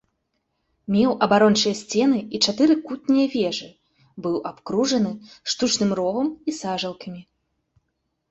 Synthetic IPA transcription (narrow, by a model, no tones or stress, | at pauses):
mʲɛwʔɐbaɾɔnt͡ʂɨjɐsʲt͡sʲɛn̪ɨit͡ʂat̪ɨɾɨkut̪̚nʲijɐvʲɛʐɨ | bɨwʔapkɾuʐɐn̪ɨʂt̪ut͡ʂnɨmrɔvɐmisaʐɐlˠkɐmʲi